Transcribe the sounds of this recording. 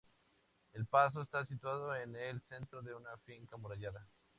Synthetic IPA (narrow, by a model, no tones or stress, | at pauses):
elpas̬o̞est̪asit̪waðoenelse̞nt̪ɾoðe̞unafiŋkamuɾaʝaða